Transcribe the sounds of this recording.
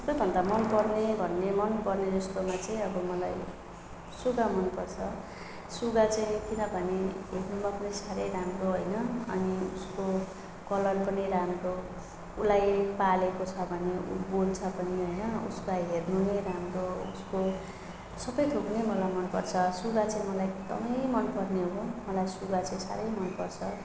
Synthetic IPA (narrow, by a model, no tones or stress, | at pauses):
sʌpʌjbʱʌnd̪amʌnpʌrnebʱʌnːemʌnpʌrneʌst̪omat͡saĩʌbʌmʌlaj | suɡamʌnpʌrt͡sʰʌ | suɡat͡saĩkinʌbʱʌneɦernumapʌnʌjsaɾʌjɾamroɦʌjnʌʌ̰niusko | kʌlʌnpʌnʌjɾamro | ulajpalekot͡sʰʌbʱʌneṵbolt͡sʰʌbʱʌniɦʌjnʌṵskajɦernuneɾamroṵsko | sʌbʌjt̪ʰoknemʌlajmʌnpʌrt͡sʰʌsuɡat͡saĩmʌlajd̪ʌ̰mʌjmʌnpʌrneɦomʌlajsuɡat͡saĩsa̰ɾʌjmʌnpʌrt͡sʰʌ